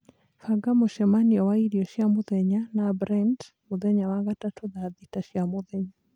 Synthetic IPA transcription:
faɡamoʃɛmaniɔwaiɾjɔʃjamoðɛɲanabɾɛnd | moðɛɲawaŋɡatatoðaðitaʃjamoðɛɲa

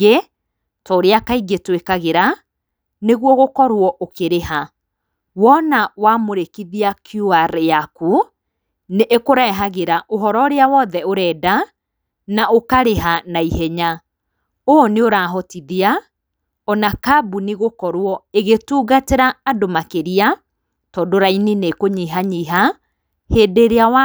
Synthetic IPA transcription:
e | tɔoɾeakaiɡetwekaɣeɾa | neɣwɔɣokɔɾwɔʔokeɾeha | wɔnawamoɾekiðiakjuaɾjaku | neʔːkoɾɛːɦaɣeɾaʔoɦɔɾɔoɾeawɔðɛoɾɛːda | naʔokaɾeɦanaiɦɛɲa | oneoɾaːɦɔtiðia | ɔnakabuneɣokɔɾwɔeɣetuːɣateɾaːdomakeɾia | tɔːdoɾaininekoɲiːɦaɲiɦa | heːdeɾeawa

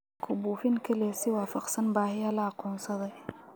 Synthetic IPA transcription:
kʰʊbuːfɪŋkʰɐlɛːsɪwɑːfɑqsɐnbaːhɪɐlɐɑqɔːnsɐðɐj

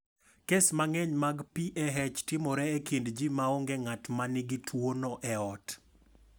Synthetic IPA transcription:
kesmaŋɛɲmaɡpiʔɛɦɛt͡ʃtɪmɔɾɛɛkindd͡ʒimaoŋɡeŋatmanɪɡɪtʰwonɔʔɛɔt

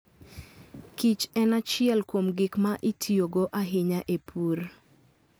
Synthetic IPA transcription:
kit͡ʃɛnat͡ʃɪɛlkomɡɪkmaʔitʰioɡoʔaɦɪɲaʔepʰur

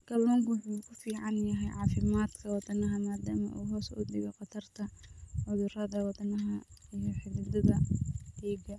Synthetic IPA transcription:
ɡɐlɔːŋkwʊħuːkʰʊfiːʕɑnjɐɦɛjʕɑːfɪmaːd̪kʰɐwɑd̪ɐnɐɦɐmaːd̪aːmɐ̰ʔṵːɦɔːsʊ̰d̪ɪɣɛqɑt̪ʰɐrt̪ʰɐʕʊðʊɾɐðɐwɑd̪ɐnɐɦɐijɔħɪβɪd̪ɐðɐdɛːɡɐ

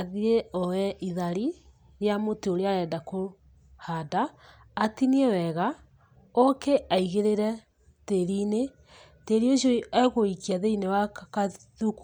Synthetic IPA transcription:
aðieɔwɛʔiðaɾi | ɾjamoteoɾeaɾɛdako | hadaː | tiniewɛɣa | ɔkeʔaiɣeɾeɾɛ | teɾine | teɾioʃoiɛɣoikiaðeinewaka | ðuk

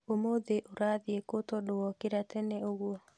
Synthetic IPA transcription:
omoðeʔoɾaðjekotodowɔkɪɾatɛnɛoɣwɔ

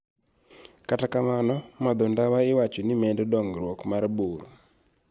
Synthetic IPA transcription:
katakamanɔmad̪ɔndawaɪwat͡ʃonimɛndɛdɔŋɡɾwɔkmarbuɾ

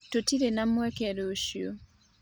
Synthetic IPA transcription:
totiɾenamwɛkɛɾoʃjo

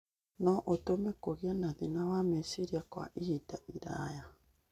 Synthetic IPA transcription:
noʔotomekoɣianaðinawamesiɾiakoa̰ʔihitaʔiɾaja

